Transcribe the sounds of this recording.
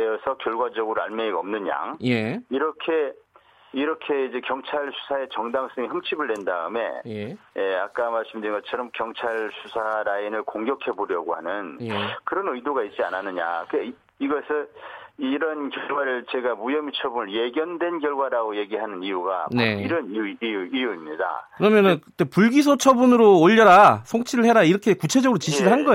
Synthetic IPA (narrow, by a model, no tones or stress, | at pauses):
eʌsʰʌkjʌɭɡwad͡ʑʌɡɯɾoa̰nmeiɡaʌmnɯnja̰ŋjiɾʌkʰe̞ | iɾʌkʰe̞id͡ʑe̞kjʌŋt͡ɕʰaɭsʰu̥sʰae̞t͡ɕʌŋdaŋs͈ʌŋihʌmt͡ɕʰibɯɭdwe̞ndaɯme̞̰jjeak͈̚amaɭs͈ɯmdɯɾinɡʌt͡ɕʰʌɾʌmkjʌŋt͡ɕʰaɭsʰusʰaɾainɯɭkoŋɡjʌkʰe̞boɾjʌɡohanɯnkɯɾʌnɯidoɡait̚t͡ɕ͈ia̰nanɯɲa̰kɯe | iɡʌsʰɯiɾʌnkjʌɡwaɾɯɭt͡ɕe̞ɡamujʌmit͡ɕʰʌbunɯɭje̞ɡjʌndwe̞nkjʌɭɡwaɾaɡoje̞ɡiɦanɯnijuɡa̰pneaoiɾʌniuijuijuimɲida̰kɯɾʌmjʌnɯnkɯt͈ːepuɭɡis̬ʰot͡ɕʰʌbunɯɾoːʎːʌɾasʰoŋt͡ɕʰiɾɯɭhe̞ɾaiɾʌkʰe̞kut͡ɕʰe̞d͡ʑʌɡɯɾot͡ɕiɕ̬ʰiɾɯɭɦanɡʌ